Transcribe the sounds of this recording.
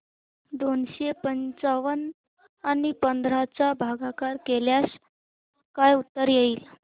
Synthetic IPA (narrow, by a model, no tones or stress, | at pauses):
d̪onɕepənt͡saʋən | anipənd̪ʱɾat͡sabʱaɡakaɾkeljas | kajut̪ːəɾjeiːl